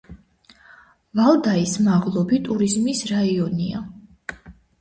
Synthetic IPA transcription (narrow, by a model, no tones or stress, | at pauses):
valˠd̪aismaʁlˠɔbit̪ʼuɾizmisɾaiɔnia